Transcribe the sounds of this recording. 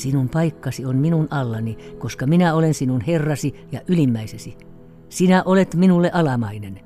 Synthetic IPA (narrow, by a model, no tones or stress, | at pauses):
sinumpɑikːɑsionminunɑlːɑnikoskɑminæolensinunherːɑsijɑʔylimːæisesi | sinæʔolet̪minulːeʔɑlɑmɑinen